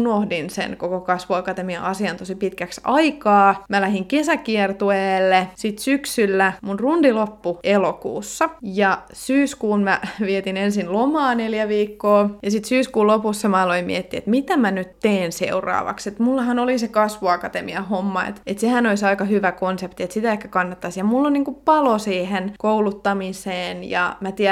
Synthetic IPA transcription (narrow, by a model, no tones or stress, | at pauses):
nohdinsḛnkokokɑsʋoɑkɑt̪emiɑ̰ʔɑsiɑnt̪osipit̪kæksɑikɑːmælæhiŋkesækiert̪ueːlːesit̪syksylːæmunrundilopːuelokṵːsːɑjɑ | syːskuːnmæʋiet̪inensinlomɑːneljæʋiːkːoːjɑsit̪syːskuːlopusːɑmɑɑloimḭet̪ːiḛt̪mit̪æmænyt̪t̪eːnsḛurɑ̰ːʋɑ̰kset̪mulːɑhɑnolisekɑsʋuɑkɑt̪emiɑhomːɑḛt̪et̪sehænoisɑikɑhyʋækonsept̪iet̪sit̪æehkækɑnːɑt̪ːɑsjɑmulːonniːŋkuppɑlosiːhenkoulut̪ːɑmiseːnjɑ̰mæt̪iɛ